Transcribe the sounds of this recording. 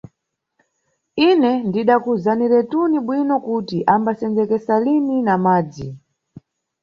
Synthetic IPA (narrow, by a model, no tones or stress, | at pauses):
inɛndiɗakuzaniɾɛtuniɓwinɔkutiʔambasɛnd͡zɛkɛsaliminamaːd͡zi